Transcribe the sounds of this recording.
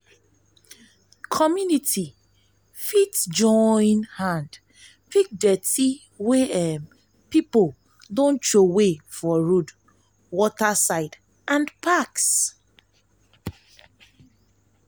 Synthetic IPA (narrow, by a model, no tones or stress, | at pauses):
kʰɔmjunitʰi | fitd͡ʒɔ̃jnhãnd | pik̚dɛti | weɛm | pipol | dõntɹowefɔɹud | wɔtasaɪd | ʔãnpaks